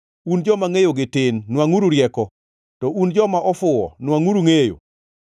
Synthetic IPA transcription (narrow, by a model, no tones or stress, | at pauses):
und͡ʒɔmaŋejoɡɪtɪnːwaŋuɾuɾjɛkɔ | tɔʔund͡ʒɔmaʔɔfʊɔ̰nwaŋuɾuŋejo̰